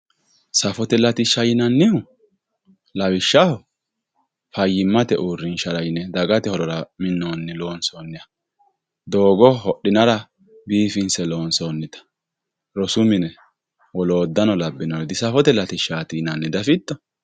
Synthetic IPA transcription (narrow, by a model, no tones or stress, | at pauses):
sɐfɔt̪ɛlɐt̪ɪʃɐjɪnɐnːɪhʊ | lɐwɪʃːɐhɔ | fɐjːɪmːɐt̪ɛʔuːɾːɪnʃɐɾɐjnɛd̪ɐɡɐt̪ɛhɔɾɔɾɐmɪnːoːnːɛlo̞ːnsoːnːɪjɐ | d̪o̞ːɡɔɦɔɗːɪnɐɾɐ | biːfɪnsɛlo̞ːnsoːnːɪt̪ɐ̥ | ɾɔsʊmɪnɛ | wɔloːd̪ːɐnɔlɐbːɪnɔd̪ɪsɐfɔt̪ɛlɐt̪ɪʃaːt̪inɐnːɪd̪ɐfɪt̪ːɔ